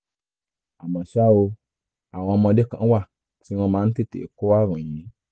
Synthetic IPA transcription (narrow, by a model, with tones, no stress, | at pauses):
a˨mã˨ʃa˦o˧ | a˨w̃ɔ̃˧mɔ̃˧de˦kã˨˦wa˦˨ | ti˨˦w̃ɔ̃˧mãː˨˦n̩˦ti˦˨tḛ˨ko˦wa˦˨ɾ̃ũ˨ĩ˨˦